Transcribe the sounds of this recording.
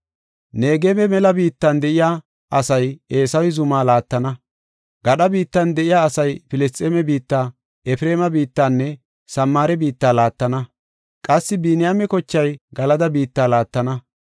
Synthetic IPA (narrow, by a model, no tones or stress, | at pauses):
ne̞ːɡemɛmɛlɐbiːt̪ːɐnd̪ɛʔɪjaː | ʔɐsɐje̞ːsɐwɪzʊmaːlaːt̪ːɐnɐ | ɡ̥ɐɗɐbiːt̪ːɐnd̪ɛʔɪjaːsɐjfɪlɛst̪ʼɛmɛbiːt̪ːaː | ʔɛfɾeːmɐbiːt̪ːanːɛ | sɐmːaːɾɛbiːt̪ːaːlaːt̪ːɐnɐ | kʼɐsːɪbiːnɪjaːmɛkɔt͡ʃːɐjɡɐlɐd̪ɐbiːt̪ːaːlaːt̪ːɐnɐ